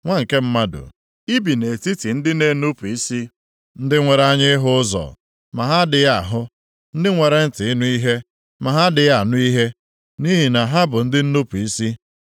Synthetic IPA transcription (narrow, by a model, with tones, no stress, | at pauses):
ŋʷa˦ŋ̩˨ke˦m̩˦ma˦dʊ̰˨ | i˦bi˨ne˨ti˦ti˨n̩˦dɪ˦ne˨˦nu˦pu˨i˦si˦ | n̩˦dɪ˦ŋʷe˨ɾa˦ɲɪ˦ɦʊ˦ʊ˦zɔ̰˨ | ma˨ɦa˦dɪ˨ja˦˨ɦʊ˦ | n̩˦dɪ˦ŋʷe˨ɾe˦n̩˦˨tɪ˨ɪ˦nu˦i˦ɦe˦ | ma˨ɦa˦dɪ˨ja˨nʊ˦i˦ɦe˦ | ni˦ɦi˨na˨ɦa˦bʊ˨n̩˦dɪ˦n̩˦nu˦pu˨i˦si˦